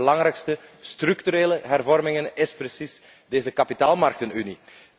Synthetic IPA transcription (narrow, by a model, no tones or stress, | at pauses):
əlɑŋɾɛːkstəst̪ɾɵktyɾeːləɦɛrvɔrmɪŋənɪspɾəsis | deːzəkapitaːlˠmɑrk̚tənyni